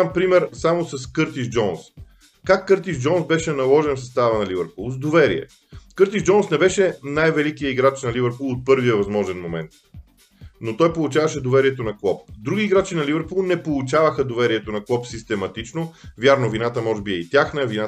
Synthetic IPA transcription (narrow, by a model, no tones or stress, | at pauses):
mpɾimɛɾsamosɐskɤɾt̪iʒd͡ʒɔns | kakːɤɾt̪iʒd͡ʒɔnsbɛʃɛnɐlˠɔʒɛnfsɐst̪avənɐlivɛɾpulˠzd̪ovɛɾiɛ̰ | kɤɾt̪iʒd͡ʒɔnsnɛbɛʃɛnajvɛlikijəiɡɾat͡ʃnɐlivɛɾpulˠot̪̚pɤɾviəvɐzmɔʒɛnmomɛ̰nt̪̚ | not̪ɔjpolˠut͡ʃavɐʃɛd̪ovɛɾiɛt̪onɐklˠɔp̚d̪ɾuɡiːɡɾat͡ʃinɐlivɛɾpulˠnɛpolˠut͡ʃavəxəd̪ovɛɾiɛt̪onɐklˠɔpsist̪ɛmɐt̪it͡ʃnovjaɾnovinat̪əmɔʒɛbiɛit̪ʲjaxnəɛvina